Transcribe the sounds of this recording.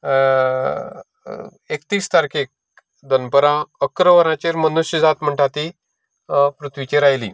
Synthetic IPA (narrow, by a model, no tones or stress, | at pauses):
ekt̪iːst̪aɾkʰek̚ | d̪ənpəɾãəkɾəʋəɾãt͡ɕeɾmənuɕjəd͡zat̪m̤əɳʈat̪i | pɾut̪ʰʋit͡ɕeɾajlḭː